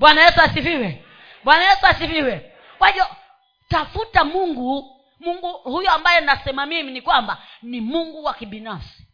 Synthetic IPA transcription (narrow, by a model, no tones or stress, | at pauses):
ɓwanajɛsuasiviwɛ | ɓwanajɛsuasiviwɛ | waʄɔ | tafutamuŋɡu | muŋɡuhujɔambajɛnasɛmamiminikwambanimuŋɡuwakiɓinafsi̥